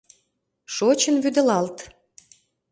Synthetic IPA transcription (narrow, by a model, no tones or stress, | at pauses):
ʃot͡ɕənβyd̪ə̆lɑlt̪